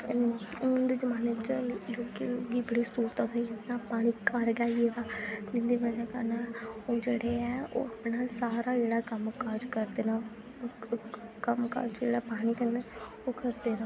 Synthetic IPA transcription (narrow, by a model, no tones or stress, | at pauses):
nd̪eːd͡ʒəmaːnet͡ʃloːkeːoɡiːbəɽiːst̪uːɾt̪ãːd̪ainaːpaːɽ̃iːkəɾɡaːied̪aːd̪ɪnd̪eːbəd͡ʒɛ̃ːkəɾnãːoːd͡ʒeːɽeːɛːo̰ːapnaːsaːɾaːd͡ʒeːɽaːkəmkaɾd͡ʒkəɾd̪eːnãː | kəmka̰d͡ʒd͡ʒḛːɽaːpaːɽ̃iːkənd̪ɛː | oːkəɾd̪eːna